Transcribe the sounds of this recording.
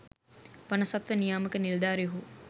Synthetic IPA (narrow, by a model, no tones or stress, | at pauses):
ʋanəsat̪ʋənijaːməkənild̪aːɾeɦuː